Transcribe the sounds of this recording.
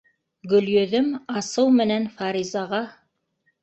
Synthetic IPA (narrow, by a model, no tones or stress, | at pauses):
ɡɵ̆ljɵ̆ðɵmɑsɤwmɘ̆nænfɑɾizɑʁɑ